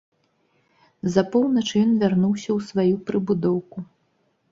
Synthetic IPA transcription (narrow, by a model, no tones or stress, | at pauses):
zɐpɔwnɐt͡ʂjɔnvʲarnuwsʲɐwsvajupɾɨbud̪ɔwku